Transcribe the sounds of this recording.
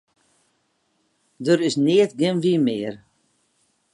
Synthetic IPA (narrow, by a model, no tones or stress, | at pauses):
dəɾɪsnɪətɡɪnʋimɪər